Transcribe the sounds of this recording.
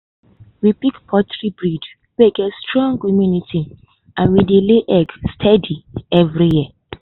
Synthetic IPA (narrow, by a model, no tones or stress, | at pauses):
wipikpʰɔtɹibɹid | weɡɛtstɹɔ̃ŋɡɔmjuniti | ãnwideleʔɛɡstʰɛdiɛvɹijiɛ